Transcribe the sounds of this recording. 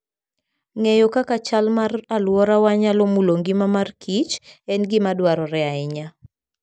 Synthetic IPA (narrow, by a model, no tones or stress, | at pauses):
ŋejɔkakat͡ʃalmaralwɔɾawaɲalɔmuloŋɡimamarkʰit͡ʃɛnɡɪmadwaɾɔɾɛaɪɲa